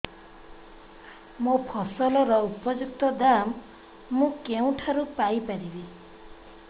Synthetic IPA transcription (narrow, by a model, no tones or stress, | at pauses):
mũpʰɔsɔlɔɾɔupɔd͡ʒuk̚t̪ɔd̪amː | ũkeũʈʰaɾupajpaɾibi